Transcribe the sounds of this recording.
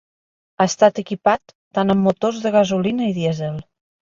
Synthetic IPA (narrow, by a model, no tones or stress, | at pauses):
aəst̪at̪əkipat̪ːanəmːut̪ozðəɣazulinəiðjɛzɛlˠ